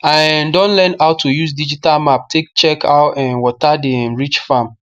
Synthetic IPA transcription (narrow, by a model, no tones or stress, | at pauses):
andɔ̃nlɛ̃naʊtʰujuzdid͡ʒitalmap̚tʰek̚t͡ʃɛkʰaʊtɛ̃nwɔtadẽnɹit͡ʃfãm